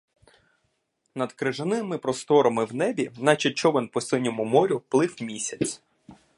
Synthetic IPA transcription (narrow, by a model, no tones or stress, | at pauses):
nɐd̪kɾɪʒɐnɪmɪpɾɔst̪ɔɾɐmɪwnɛbʲinɐt͡ʃɔt͡ʃːɔʋɪnpɔsɪnʲɔmʊmɔɾʲʊplˠɪwmʲisʲɐt͡sʲ